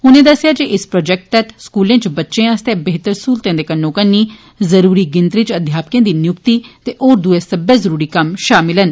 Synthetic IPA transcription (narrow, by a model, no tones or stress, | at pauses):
ʊnẽːd̪əsjaːd͡ʒeʔɪspɾɔːd͡ʒɛːk̚ʈ̚t̪ɛt̪ʰskuːlẽːt͡ʃbətːʃẽːaːst̪ebeːt̪əɾsuːlt̪ẽːd̪eːkənːõːkənːiː | zəɾuːɾiːɡɪnt̪ɾit͡ʃəd̪ʱjaːpkjãːd̪iːnjʊkt̪iːt̪eːʔoːɾd̪ʊeːsəbɛːzəɾuːɾiːkəmʃaːmɪlən